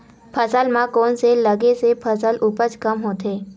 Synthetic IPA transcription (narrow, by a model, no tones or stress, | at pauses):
pʰəsəlmãkoɳseləɡesepʰəsəlʔupət͡skəmɦoːt̪e